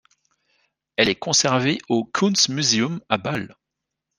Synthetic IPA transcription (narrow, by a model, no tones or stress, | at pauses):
ɛlɛkɔ̃sɛʁveʔokʰunsmyzeɔmabal